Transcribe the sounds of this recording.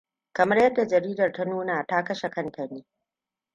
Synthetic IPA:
kɐ˨mɐ˦rjɐ˦dːa˨d͡ʒɐ˨ɾiː˦dɐ˨rta˦nuː˦na˨ta˦kɐ˦ʃe˨kɐ˦ntʰɐ˨niː˦

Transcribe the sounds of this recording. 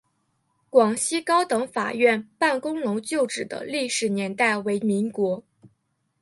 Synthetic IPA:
kwɑ˨˩ŋɕi˥kɑ˥ʊt̪ɤ˧˥ŋfa̰˨˩ɥɛ˥˧npa˥˩nkʊ˥ŋnʊ˧˥ŋt͡ɕjo˥˩ʊʈ͡ʂɻ̩˨˩d̪ə̰˦li˥˩ʂɻ̩˨˩njɛ˧˥nt̪a˥˩ɪwe˧˥ɪmi˧˥ŋkwɔ˧˥

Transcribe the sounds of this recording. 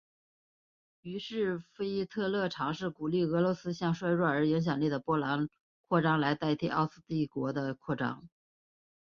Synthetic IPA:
y˧˥ʂɻ̩˥˩fe˥ɪi˥t̪ʰɤ˥˧lɤ˥˩ʈ͡ʂʰɑ˧˥ŋʂɻ̩˥˩ku˨˩li˥˩ɤ˧˥lwɔ˧˥sɹ̩˥ɕjɑ˥˧ŋʂwa˥˧ɪɻwa˥˩ə˞˧˥i˧˥ŋɕ̬jɑ˨˩ŋli˥˩d̪ə˩pwɔ˥la˧˥n | kʰwɔ˥˩ʈ͡ʂɑ˥ŋla˧˥ɪt̪a˥˧ɪt̪ʰi˥ʔɑ˥˧ʊsɹ̩˥˧t̪i˥˩kwɔ˧˥d̪ə˧kʰwɔ˥˩ʈ͡ʂɑ̰˥ŋ

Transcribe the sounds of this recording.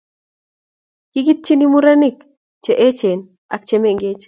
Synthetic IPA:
ki˦ɡi˦t̪̚t͡ʃi˦ni˦mu˦ɾa˦ni˦˨k | t͡ʃe˨ʔe˦t͡ʃe˨n | a̰˨k̚t͡ʃe˦me˦˨ŋɡe˦t͡ʃ

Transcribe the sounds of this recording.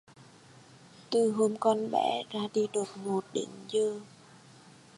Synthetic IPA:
t̪ɨ˨˩ɦo˧mkɔ˧nɓɛ̰˧˥zaː˧ɗi˧ɗo˨˩t̚mo˨˩t̚ɗḛ˧˨˦ŋzɨ˧ə

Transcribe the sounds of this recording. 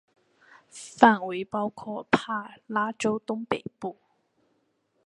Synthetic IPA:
faː˧˩nwu˨˧˥jpɔː˥wkʰɔː˧pʰaː˧˥laː˥t͡so˥wt̪ʊ˥ŋpḛ˨˩jpuː˨˩

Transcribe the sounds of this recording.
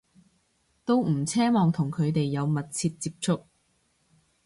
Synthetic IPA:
t̪o˥wm̩˨˩t͡sʰɛː˥mɔː˨ŋt̪ʰʊ˨˩ŋkʰɵ˨˧ɥt̪e˨jːɐ˨˧wmɐ˨t̚t͡sʰiː˧t̚t͡siː˧p̚t͡sʰʊ˥k̚

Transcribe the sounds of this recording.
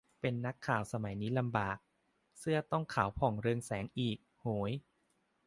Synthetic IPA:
pe˧nːa˦˥kʰːaː˨˩wsa˧ma˩˦jniː˦˥la˧mbaː˨˩k̚ | sɯ˥˩ɐt̪ɔ˥˩ŋkʰaː˩˦wpʰɔ˨˩ŋɾɯ˧ŋsɛː˩˦ŋʔiː˨˩k̚hoː˩˦j

